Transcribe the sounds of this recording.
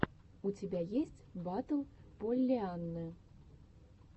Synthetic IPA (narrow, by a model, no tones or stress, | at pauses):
ut͡sʲabʲajesʲt͡sʲbat̪ɐlˠpɔlʲːɛanːɨ